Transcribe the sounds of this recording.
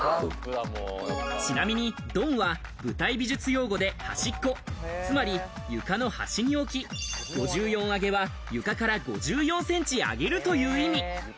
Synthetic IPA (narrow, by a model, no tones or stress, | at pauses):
t͡ɕinamʲiɲ̟id̪õ̞ɰ̃βa | bɯ̟t̪aibʲiʑɨt͡sɨjo̞ːɡo̞d̪e̞ha̰ɕikːo̞t͡sɨmaɾʲi | jɯ̟kano̞ha̰ɕiɲ̟io̞kʲiɡ̥o̞ʑɨːjõ̞ɰ̃aɡe̞βa | jɯ̟kakaɾaɡo̞ʑɨːjõ̞ɰ̃sẽ̞ɲ̟t͡ɕia̰ɡe̞ɾɯ̟t̪o̞jɯ̟ːimʲi